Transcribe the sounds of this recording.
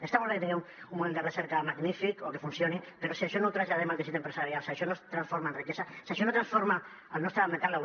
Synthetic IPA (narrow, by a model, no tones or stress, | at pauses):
est̪aβolaket̪eemumːumend̪ereseɾkamaɡnifikokefunsjonipeɾosiaʃonowt̪ɾaʒʎaðemald̪esit̪empɾesaɾjalseaʃonost̪ɾansfoɾmaenrikesasaʃonot̪ɾansfoɾma | alnost̪ɾament̪ala